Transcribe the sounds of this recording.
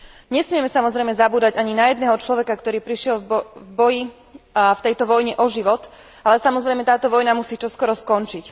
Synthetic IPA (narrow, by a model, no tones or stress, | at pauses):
ɲɛsmɪɛmɛsamɔzɾɛjmɛzabuːd̪aɟaɲinajɛd̪nɛːɦɔt͡ʃlɔʋɛkakt̪ɔɾiːpɾiʃɪɛlvbɔji | ft̪ɛjt̪ɔʋɔjɲɛʔɔʒiʋɔt̪ | alɛsamɔzɾɛjmɛt̪aːt̪ɔʋɔjnamusiːt͡ʃɔskɔɾɔskɔnt͡ʃic